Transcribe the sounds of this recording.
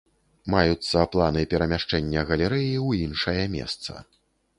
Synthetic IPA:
majut̪sːɐplˠanɨpʲɛɾɐmʲaʂt͡ʂɛnʲːɐɣɐlʲɛɾɛjiwinʂɐjɐmʲɛ̰st̪sɐ̰

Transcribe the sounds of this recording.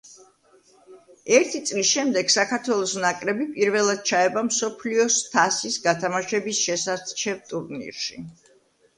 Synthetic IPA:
ɛɾt̪ʰit̪sʼlisʃɛmd̪ɛɡ̥sakʰaɾt̪ʰwɛlˠɔsɔnakʼɾɛbipʼiɾvɛlˠad̪̥̚t͡ʃʰaɛbamsɔpʰliɔst̪ʰasisɡat̪ʰamaʃɛbisʃɛsat͡ʃʰɛvt̪ʼuɾnḭɾʃi

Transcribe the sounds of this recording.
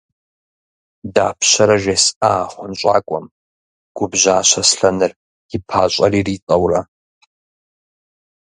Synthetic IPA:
da̰ːpʰɕɐɾɐʒʷesaːχʷʊnɕʷʼa̰ːkʷʼɔm | ɡ̥ʷʊbʑaːɕɐsɬɐnɨr | j̥ɪpʰaːɕʷʼɐriːriːt͡sʼɐwrɐ

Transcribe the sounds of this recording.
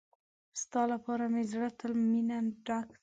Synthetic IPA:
st̪ɑlapɑɾamɪzɾat̪ʊlminanɖak

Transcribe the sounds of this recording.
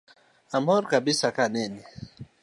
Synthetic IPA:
amɔɾkabisakanɛni

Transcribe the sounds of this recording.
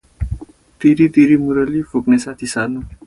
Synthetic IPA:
t̪iɾit̪iɾimuɾəlifuknesat̪ʰisaɾnũ

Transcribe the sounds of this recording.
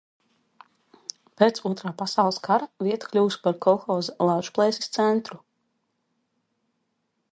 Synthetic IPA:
peːt̪suɔt̪ɾaːpasawlˠɨskaɾaviɛt̪ḁklʲuːspaɾkʰɔxɔːzɛlˠawʒplˠɛːsi̥st̪sɛnt̪ɾu

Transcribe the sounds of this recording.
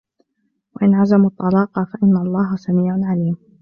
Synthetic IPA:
waʔɪnʕazamut̪ˤːɑlɑːqɑfaʔɪnːalˤːɑːɦasamiːʕʊʕaliːm

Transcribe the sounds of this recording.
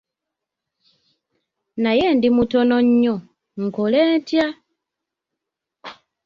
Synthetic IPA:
naje̞ːndimutono̞ɲːo | ŋ̩koleːntja

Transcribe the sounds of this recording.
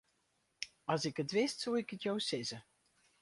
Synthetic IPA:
ɑlˠsɪkətʋɪstsolˠɪkətjɔwsɪzə

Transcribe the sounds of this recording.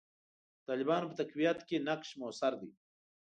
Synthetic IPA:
t̪ɑːlɪbɑːnopət̪akwijat̪kenaqʃmosaɾd̪i

